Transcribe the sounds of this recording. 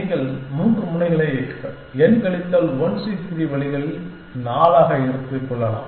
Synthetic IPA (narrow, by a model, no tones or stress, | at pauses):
ɡɐɭmuːndrɯmʊɳɐɪɣɐɭɐɪeːkːɯɣɐ̰ | ɛnkɐɭɪt̪ːaːlʋɔnsipːɪɾiʋɐɭɪɣɐɭɪl | naːlaːɣɐɛɽɯt̪ːɯkːɔɭːɐna̰ː